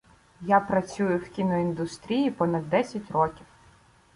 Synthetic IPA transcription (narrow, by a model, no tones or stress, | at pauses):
japɾɐt͡sʲujʊwkʲinɔind̪ʊst̪ɾʲijipɔnɐd̪ːɛsʲɐtʲrɔkʲiw